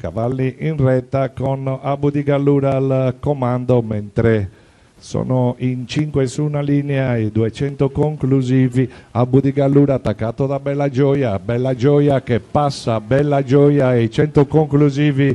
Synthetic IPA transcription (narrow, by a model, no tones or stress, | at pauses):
ka̰valːiʔinrɛt̪ːakonabud̪iɡalːuːɾalkɔmand̪omɛnt̪ɾɛ | sɔ̰ːnoint͡ʃiŋkwɛsunaliːnɛaid̪uɛt͡ʃɛnt̪okoŋkluziːviabud̪iɡalːuːɾat̪ːakːaːt̪od̪abɛlːad͡ʒɔːjabɛlːad͡ʒɔːjakepːasːabɛlːad͡ʒɔːjaɛit͡ʃɛnt̪okoŋkluziːvi